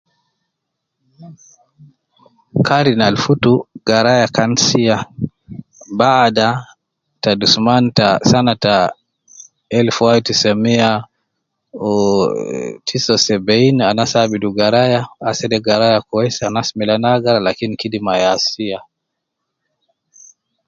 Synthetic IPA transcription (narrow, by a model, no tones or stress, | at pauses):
kʰaɾinalfutuɡaɾajakansia | bada | tadusumantasanata | ɛlfuajitisɛmia | tʰisɔsɛbɛinanasabiduɡaɾajaasɛdɛɡaɾajakuɛsɛanasimilanaɡaɾalakinikidimajasia